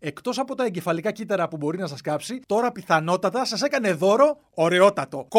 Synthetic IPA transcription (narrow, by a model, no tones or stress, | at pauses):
e̞kt̪o̞sɐpo̞t̪ɐe̞ɲɟe̞fɐlikɐcit̪ɐɾɐpubo̞ɾinɐsɐskɐpsit̪o̞ɾɐpiθɐno̞t̪ɐt̪ɐsɐse̞kɐne̞ðo̞ɾo̞ː | ɾe̞o̞t̪ɐt̪o̞k